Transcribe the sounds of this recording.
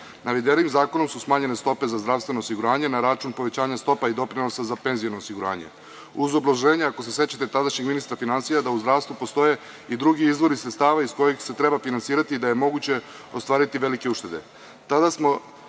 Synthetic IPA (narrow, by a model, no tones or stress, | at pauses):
naʋed̪eɾimzaːko̞no̞msusmaːɲe̞ne̞st̪o̞pe̞zazd̪ɾaʋst̪ʋe̞nosiɡuɾaːɲe̞naɾat͡ʃunpo̞ʋe̞t͡ɕaːɲast̪o̞paid̪o̞pɾino̞sazape̞nzijonoːsiɡuɾa̰ːɲe̞̰ | uzo̞blaʒe̞ːɲaako̞se̞se̞t͡ɕat̪et̪ad̪aʃɲeɡminist̪ɾafinansijad̪auzd̪ɾaːʋst̪ʋupo̞st̪o̞je̞ | id̪ɾuɡiizʋo̞ɾisɾet̪st̪aːʋaisko̞jexse̞t̪ɾe̞bafinansiːɾat̪iːd̪ajemo̞ɡut͡ɕe̞ | o̞st̪ʋaːɾit̪iʋe̞like̞uʃt̪e̞d̪e̞̰ | t̪ad̪asmo̞